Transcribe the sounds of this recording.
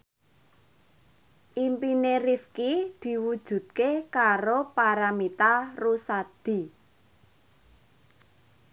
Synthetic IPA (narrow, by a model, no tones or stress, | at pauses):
ʔimpineɾifkid̪̥i̤wud̥ʒ̥ṳd̪̚kekaɾopaɾamit̪arusad̪̥i̤